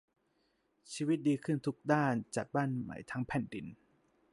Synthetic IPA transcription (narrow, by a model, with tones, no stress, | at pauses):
t͡ɕʰiː˧wi˦˥t̪̚diː˧kʰɯ˥˩nt̪ʰu˦˥k̚daː˥˩nt͡ɕa˨˩t̪̚baː˥˩nma̰˨˩˦jt̪ʰa˦˥ŋpʰɛ˨˩ndi˧˩n